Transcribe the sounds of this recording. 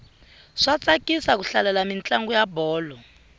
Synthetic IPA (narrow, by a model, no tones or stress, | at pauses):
ʂat͡sakʼisak̬uɬalalamint͡ɬʼaŋɡujabɔːlɔ